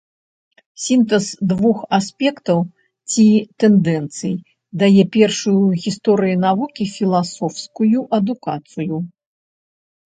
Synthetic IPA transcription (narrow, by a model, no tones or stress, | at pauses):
sʲint̪ɛsd̪vuxasʲpʲɛkt̪ɐw | t͡sʲit̪ɛnd̪ɛnt̪sɨj | d̪ajɛpʲɛrʂujuɣʲist̪ɔɾɨjunavukʲifʲilˠasɔfskujuʔɐd̪ukat̪sɨju